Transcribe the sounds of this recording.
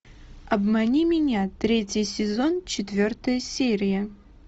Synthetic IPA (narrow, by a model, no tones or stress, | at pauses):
ɐbmɐnʲimʲɪnʲat̪ɾʲetʲjɪjsʲɪzont͡ɕɪt̪vʲort̪əjəsʲeɾʲɪjə